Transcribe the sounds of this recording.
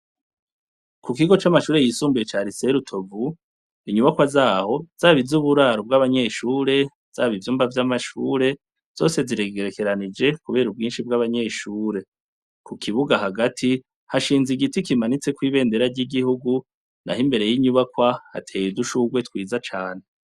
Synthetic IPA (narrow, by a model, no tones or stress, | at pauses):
kukiɡo̞t͡ʃamaʃuːɾe̞jisuːmbujet͡ʃaːɾise̞ɾutʰo̞vu | iɲuβakwazaːho̞z̥aːβizuβuɾaːɾob̚ɡaβaɲe̞ːʃuːɾe̞ | z̥aːβivjuːmbavjamaʃṵːɾe̞ | z̥o̞ːse̞ziɾe̞ɡe̞ɾe̞ke̞ɾanid͡ʒe̞kuβe̞ːɾub̚ɡiːnʃib̚ɡaβaɲe̞ːʃuːɾe̞ | kukʰiβuɡaɦaɡatʰi | haʃiːnziɡitikimanit͡se̞kwiːβe̞ːnde̞ɾaɾɟiɡihuɡu | na̰himbe̞ɾe̞jiɲuβakwaha̰tʰe̞ːjiduʃuɡwe̞twiːzat͡ʃaːne̞